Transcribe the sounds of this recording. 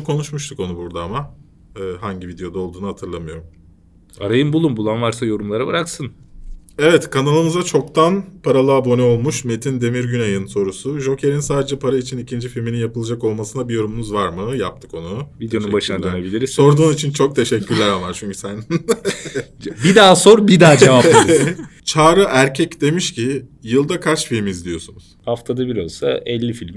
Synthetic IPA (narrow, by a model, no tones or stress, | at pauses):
kʰo̞nuʃmuʃt̪ʰuko̞nubuɾd̪aama | ɯːɦaɲɟivid̪ejo̞d̪ao̞lˠd̪uːnuɦat̪ʰɯɾlˠamɯjo̞ɾum | aɾajɯmbulˠumbulˠanvaɾsajo̞ɾumlˠaɾabɯɾaksɯn | evɛt̪kʰanalˠɯmɯzat͡ʃʰo̞k̚t̪ʰanpʰaɾalˠɯːbo̞nɛo̞lˠmuʃme̞t̪ʰind̪e̞miɾɟynajɯnso̞ɾusuʒo̞cʰe̞ɾinsaːd̪ed͡ʒɛpʰaɾait͡ʃʰinicʰind͡ʒifilʲmininjapɯlˠad͡ʒako̞lˠmasɯnabijo̞ɾumunuzvaɾmɯja̰p̚t̪ʰɯ̥ko̞nuvid̪ʃubaʃʃnanabilʲiɾizso̞ɾd̪uːnit͡ʃʰint͡ʃʰo̞k̚t̪ʰe̞ʃɛcʰʲːyɾlʲæɾamaɾt͡ʃʰyɲcʰy̥sænn | bid̪aːso̞ɾbid̪aːd͡ʒeva | t͡ʃʰaːɾɯʔæɾcʰɛcd̪e̞miʃcijɯlˠd̪akʰaɾt͡ʃfilʲmizlʲijo̞sunu̥haft̪ʰad̪abiɾalˠsa̰ɛlʲːifilʲm